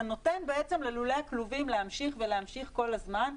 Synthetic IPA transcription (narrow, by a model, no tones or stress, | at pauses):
no̞tenbeet͡semleluleakluvimleamʃiχve̞leamʃiχko̞lazman